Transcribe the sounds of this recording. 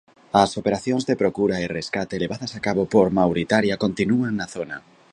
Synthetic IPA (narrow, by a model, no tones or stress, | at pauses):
ɐsopeɾaθjõŋzðepɾokuɾaereskat̪eleβaðɐsakaβopoɾmawɾit̪aɾjakont̪inuaŋnaθona̰